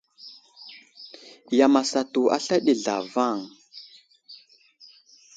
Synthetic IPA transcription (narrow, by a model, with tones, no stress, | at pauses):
ja˨ma˨sa˨tu˨ʔa̰˦ɬa˦ɗi˨ɮa̰˨va˦˨ŋ